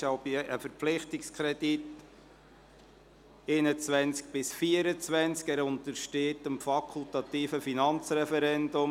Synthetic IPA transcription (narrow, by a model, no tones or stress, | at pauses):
ʃɑwbiʔəfəɾpflɪχtɪkskʰɾɛdit | enət͡sʋænt͡sk̚b̥ɪsfiəɾət͡sʋænt͡skæːɾʊnt̪əʃteːtəmfɑkʰʊlt̪ɑt̪iːfəfinɑnt͡sɾɛfɛɾɛndʊm